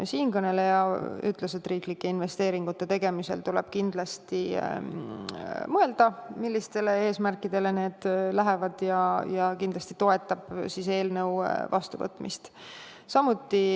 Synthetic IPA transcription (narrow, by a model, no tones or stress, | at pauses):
siːnkɤne̞le̞jɑy̰t̪ˑleset̪ːˑriːklikːˑe̞inve̞st̪e̞ːɾiŋɡ̥ut̪ˑːe̞t̪e̞ɡe̞mise̞̰lt̪ulḛb̥̚kind̪lɑst̪i | mɤe̞ld̪̥ɑmilʲːist̪e̞le̞e̞ːsmærkːˑid̪e̞le̞ne̞ːd̪̥læɦe̞vɑd̪̥jɑjɑkind̪lɑst̪it̪o̞e̞t̪ːˑɑb̥sise̞ːlnɤ̞wvɑ̰st̪uvɤ̰t̪ːˑmḭst̪ | sɑmut̪ːˑi